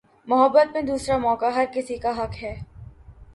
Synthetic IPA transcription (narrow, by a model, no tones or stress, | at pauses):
mʊɦəbːət̪̚mẽd̪uːsɾamɔːkaɦɐɾkɪsikaɦɐkɦɛː